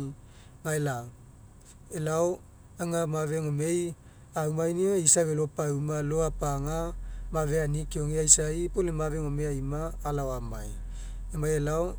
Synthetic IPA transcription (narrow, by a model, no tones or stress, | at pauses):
ŋaela | elao | aŋamaveŋome̞j | awmajnioisavelopaumaloapaŋamaveanikeoŋeajsaipolemaveŋomeajmaːlaoamaj | emajelao